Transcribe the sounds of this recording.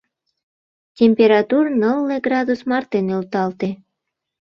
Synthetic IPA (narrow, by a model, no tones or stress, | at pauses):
tʲempʲeɾɑt̪urnəlːeɡrɑd̪usmɑrt̪enølt̪ɑlt̪e